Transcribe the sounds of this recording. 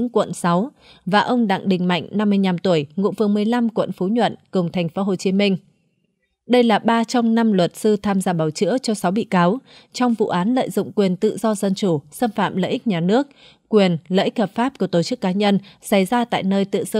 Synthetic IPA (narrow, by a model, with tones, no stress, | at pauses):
ŋkwə̰˧˨nsa˨˦w | vaː˨˩ʔə˧wŋ͡mɗa̰˧˨ŋɗï˨˩ŋ̟ma̰˧˨jŋ̟na˧mːɨ˧əɲa˧mt̪u˧˩əjŋṵ˧˨vɨ˨˩əŋmɨ˨˩əjla˧mkwə̰˧˨nfu˨˦ɲwə̰˧˨nkə˨˩wŋ͡mt̪ʰɛ˨˩ŋ̟fo˨˦ɦo˨˩t͡ɕi˨˦mï˧ŋ̟ | ɗə˧jlaː˨˩ɓaː˧t͡ɕɔ˧wŋ͡mna˧mlwə˨˩t̚sɨ˧t̪ʰaː˧mzaː˧ɓaː˧˩wt͡ɕɨ̰˧˥ət͡ɕɔ˧sa˨˦wɓḭ˧˨kaː˨˦wt͡ɕɔ˧wŋ͡mvṵ˧˨ʔaː˨˦nlə̰ː˧˨jzʊ̰˧˨ŋ͡mkwi˨˩ənt̪ɨ̰˧˨zɔ˧zə˧nt͡ɕu˧˩səː˧nfa̰ː˧˨mlə̰ː˧˨ʔï˦˥k̟̚ɲaː˨˩nɨ˦˥ək̚ | kwi˨˩ənlə̰ː˧˨ʔi˦˥k̚həː˨˩p̚faː˦˥p̚ku˧˩ət̪o˧˩t͡ɕɨ˦˥kːaː˨˦ɲə˧nsa˧˩jzaː˧t̪a̰ː˧˨jnəː˧jt̪ɨ̰˧˨sɨ˧